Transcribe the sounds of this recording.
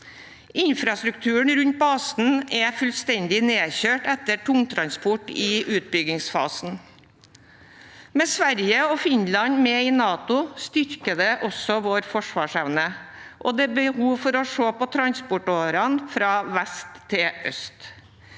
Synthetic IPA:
ɪnfɾɑst̪ɾʉkt̪ʰʉːəɳɾʉnt̪̚bɑːsn̩ɛfʉlst̪ɛnd̪ɪneːçøːʈɛt̪ːəʈʊŋt̪ʰɾɑnspɔʈɪʉːt̪̚bʏɡɪŋsfɑ̰ːsn̩ | mɛsʋæɾjəɔfɪnlɑnmeːɪnɑːt̪ʊst̪ʏɾkəd̪ɛʔɔsɔʋoːɾfɔʂʋɑːʂɛʋnəʔɔd̪ɛːbəhuːʋfɔɾɔʂoːpɔt̪ʰɾɑnspɔʈoːɾɑnfɾɑːʋæst̪ʰːɪʔœ̰st̪

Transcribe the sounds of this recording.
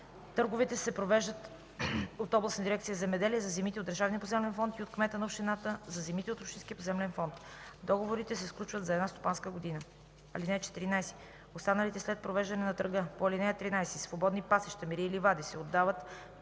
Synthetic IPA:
t̪ɤɾɡovɛt̪ɛsɛpɾovɛʒd̪ət̪ | ot̪ɔblˠɐsnəd̪iɾɛkt̪sijəzɛmɛd̪ɛliɛzɐzɛmit̪ɛod̪d̪əɾʒavniəp̬ozɛmlɛnfɔnt̪iot̪kmɛt̪ənɐopʃt̪inat̪əzɐzɛmit̪ɛot̪opʃt̪inskʲiəpozɛmlɛnfɔnt̪d̪ɔɡovoɾit̪ɛsɛsklʲut͡ʃvət̪zɐɛd̪nast̪o̥panskəɡod̪inə | ɐlinɛt͡ʃɛ̥t̪iɾinajsi̥ | ost̪anəlit̪ɛslɛt̪̚pɾovɛʒd̪ɐnɛnɐt̪ɾəɡəpoɐlinɛjət̪ɾinajsisvobɔd̪nipasɛʃt̪əmiɾiilivad̪isɛod̪ːavət̪

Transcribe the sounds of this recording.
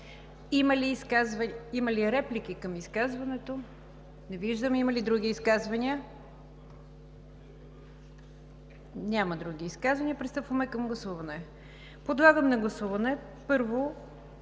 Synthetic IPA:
iməliːskazvəiməliɾɛplikikəmiskazvɐnɛt̪o | nɛviʒd̪əmimɐlid̪ɾuɡ̟iːskazvɐniə | nʲaməd̪ɾuɡʲiːskazvɐnʲiəpɾist̪ɤpvəmɛkɐmɡlˠɐsuvɐnɛ | pod̪lˠaɡəmnɐɡlˠɐsuvɐnɛ | pɤɾvo

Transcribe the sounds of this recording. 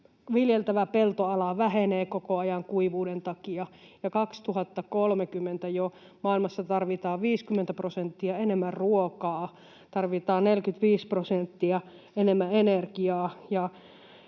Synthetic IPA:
ʋiljelt̪æʋæpelt̪oɑlɑʋæheneːkokoɑjɑŋkuiʋuːdent̪ɑkiɑjɑkɑkst̪uhɑt̪ːɑkolmekymːent̪æjo | mɑilmɑsːɑt̪ɑrʋit̪ɑːʋʋiːskymːent̪æprosent̪ːiɑenemːærruokɑː | t̪ɑrʋit̪ɑːnnelkyt̪ʋiːsprosent̪ːiæ | enemːæenerkiɑːjɑ

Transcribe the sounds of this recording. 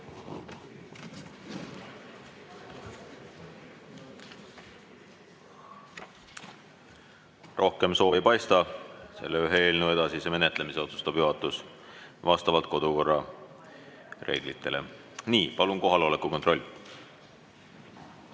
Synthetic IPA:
rʔo̞hke̞mso̞ːejpɑjst̪ɑse̞̰lːeyɦee̞ːlnue̞d̪ɑsise̞me̞ne̞t̪le̞mise̞o̞t̪su̥st̪ɑb̥juɦɑt̪ːˑus | vɑst̪ɑvɑlt̪̚ˑko̞d̪uko̞rːɑ̰ | rʔe̞̰ːɡ̥lit̪ʰːe̞̰le̞̰ | niːpɑlunko̞ɦɑlo̞lekːˑuko̞nt̪ro̞lʲː

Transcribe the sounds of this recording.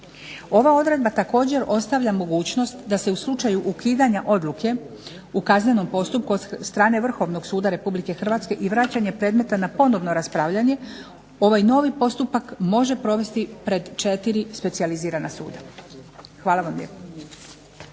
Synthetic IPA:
o̞ʋao̞d̪ɾe̞d̪̚bat̪ako̞ːd͡ʑe̞ɾo̞st̪aʋʎamo̞ɡuːt͡ɕno̞st̪d̪ase̞uslˠut͡ʃajuʔukiːd̪aɲaʔo̞d̪lˠukʰe̞ | ukazɲe̞no̞mpo̞st̪up̚kuost̪ɾaːne̞ʋr̩xo̞ʋno̞ɡsuːd̪aɾe̞publike̞xr̩ʋaːt̪ske̞ʔiʋɾat͡ɕaɲe̞pɾe̞ːd̪me̞t̪anapo̞no̞ʋno̞ɾaspɾaʋʎaɲe̞ | o̞ʋajno̞ʋipo̞st̪upakmo̞ʒe̞pɾo̞ʋe̞st̪ipɾe̞d̪t͡ʃe̞t̪iɾispe̞t̪sializiːɾanasṵːd̪a | xʋaːlaʋamʎḛpo

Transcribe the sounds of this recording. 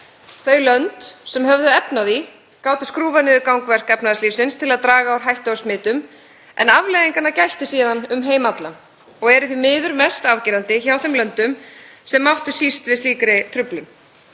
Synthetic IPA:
θœɥlœnt̪sɛmɦœvðʏɛpnaði | kaːwt̪ʏskɾuːvanɪðʏkawŋkvɛr̥kɛpnaðasliːfsɪnst̪ʰɪlaðt̪ɾaːɣaawɾ̥ɦajht̪asmɪːt̪ʏm | ɛ̰navlejðiŋkanacajht̪ɪsiːðanʏmɦeːjmat̪lan | ɔɣɛɾʏθimɪːðʏɾmɛst̪avcɪːɾant̪ɪçawθɛmlœnt̪ʏmsɛmːawht̪ʏsist̪vɪðst̪iːkɾɪt̪ʰɾʏplʏm

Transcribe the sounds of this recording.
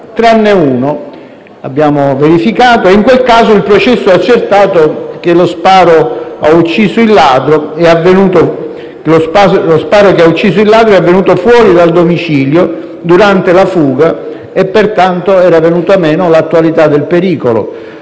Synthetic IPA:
t̪ɾanːeuːno | a̰bːjaːmoveɾifikaːt̪oeiŋkwelkaːzoilpɾot͡ʃɛsːoɛat͡ʃːert̪aːt̪ok̟elospaːɾoaut͡ʃːiːzoilːaːd̪ɾoɛavːenuːt̪o | klospalospaːɾokeaut͡ʃːiːsoilːaːd̪ɾoɛavːenuːt̪ofwɔːɾid̪ald̪omit͡ʃiːljo | d̪uɾant̪elafuːɡa | epːert̪ant̪oɛːɾavenuːt̪oamɛːnolat̪ːuwalit̪ad̪ːelpeɾiːkolo̰

